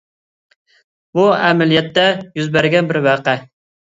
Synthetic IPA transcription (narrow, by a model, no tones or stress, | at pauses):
buɛmɛlijɛt̪ːɛjyzbæɾɡʲɛnbɪɾwæqɛ